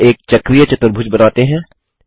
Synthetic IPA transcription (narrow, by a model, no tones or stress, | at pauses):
eːk̚t͡ʃɐkɾijət͡ʃɐt̪əɾbʱʊd͡ʒbɐnaːt̪eɦɛ̃ː